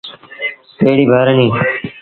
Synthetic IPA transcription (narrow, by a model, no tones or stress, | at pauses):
peːɽiːbʱaːɾənĩː